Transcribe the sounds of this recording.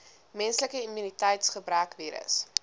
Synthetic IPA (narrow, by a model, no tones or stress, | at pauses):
mɛnsləkəimynitɛjtsχəbɾœːkviːɾə̰s